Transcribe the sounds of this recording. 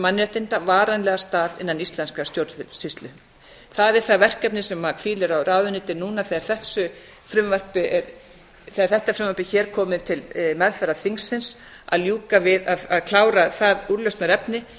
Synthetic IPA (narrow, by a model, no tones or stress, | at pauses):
manːɾɛht̪ɪnt̪avaːɾanlɛɣast̪aːðɪ̰nːanist̪lɛnskast̪jowɾvɪsist̪lʏ | θaðɛ̥θavɛr̥kɛp̚nɪsɛmːakʰfiːlɪɾawraːðʏniːt̪ɪnuːnaθɛaɾ̥θɛsʏ | fɾʏmvar̥pɪʔɛɾ | θɛaɾθɛht̪afɾʏmvaɾpɪçɛːɾ̥kʰɔːmɪðt̪ʰɪlmɛðfɛɾaθiŋsːɪns | a̰ðljuːkavɪðaðaðkʰlaːwɾaθaðuɾlœst̪naɾɛpnɪ